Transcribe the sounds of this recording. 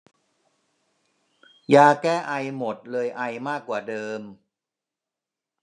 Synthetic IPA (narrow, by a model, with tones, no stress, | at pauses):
jaː˧kɛː˥˩ʔa˧jmo˨˩t̪̚lɤː˧jʔa˧jmaː˥˩kːwaː˨˩dɤː˧m